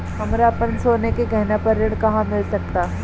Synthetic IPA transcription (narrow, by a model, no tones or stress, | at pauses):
ɦɐmɾapənsoːnekekɛɦnapɐɾːɪɽ̃kɐɦãmɪlsɐk̚t̪aː